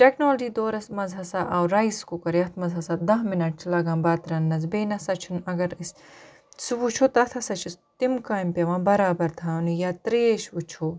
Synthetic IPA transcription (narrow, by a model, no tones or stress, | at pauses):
ʈeknoːlɐd͡ʒiːd̪oːɾɐsmɐzɦɐsaːʔɐwɾɐiskukɐɾeɐt̪ʰmɐzɦɐsaːd̪ɐɦminɐʈt͡ʃʰlɐɡãːmbaːt̪ɾɐnːɐz̬beːnɐsɐt͡ʃʰunɐɡɐɾs | sʋut͡ʃʰot̪ɐt̪ʰɐsɐt͡ʃʰus | t̪imkaːjmpɐʋãːbɐɾaːbɐɾt̪ʰaːnjaːt̪ɾeːʃʋut͡ʃʰoː